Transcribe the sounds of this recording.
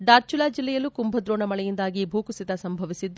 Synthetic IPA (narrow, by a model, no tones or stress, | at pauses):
ɖaːɾt͡ʃulaːd͡ʒilːɛjɐlːukumbʱɐd̪ɾoːɳɐmɐɭɛjind̪aːɡibʱuːkusit̪ɐsɐmbʱɐʋisid̪ːu